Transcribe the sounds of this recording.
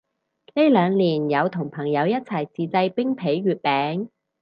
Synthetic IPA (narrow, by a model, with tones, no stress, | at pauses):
ne˥lœː˨˧ŋliː˨˩njɐ˨˧wt̪ʰʊ˨˩ŋpʰɐ˨˩ŋjɐ˨˧wjɐ˥t̚t͡sʰɐ˨˩jt͡siː˨t͡sɐ˧jpɪ˥ŋpʰe˨˥jɥyː˨˧t̚pɛː˨˥ŋ